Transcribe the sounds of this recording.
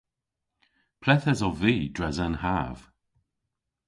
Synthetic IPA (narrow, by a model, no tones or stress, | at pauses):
pʰlɛθɛzɔviːd̥ɹɛzanhaːv̥